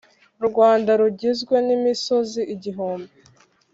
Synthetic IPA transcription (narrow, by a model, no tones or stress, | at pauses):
ɾuɡwaːndaɾuɟizɡwe̞nimiso̞ziʔiɟiɦuːmbe